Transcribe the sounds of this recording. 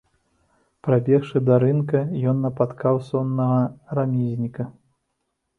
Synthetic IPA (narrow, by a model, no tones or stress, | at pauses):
pɾabʲɛxʂɨd̪ɐɾɨnkɐjɔnːɐpat̪kawsɔnːɐɣɐramʲizʲnʲikɐ